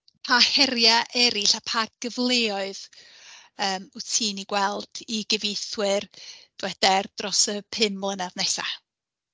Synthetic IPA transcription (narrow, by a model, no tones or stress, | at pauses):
pʰahɛɾjaʔɛɾɪɬapʰaɡ̥əvlˠeɔɨð | əːmʊtʰiːniɡwɛlˠd̥iɡɪvejθwɪrd̥wɛd̥ɛrd̥rɔsəpʰɪmlˠənaðnɛsa̰